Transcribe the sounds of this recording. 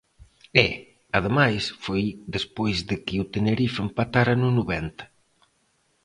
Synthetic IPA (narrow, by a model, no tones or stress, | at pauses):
ɛ | aðemajsfojd̪espojzðɪkɪut̪eneɾifempat̪aɾanunuβɛnt̪ɐ̥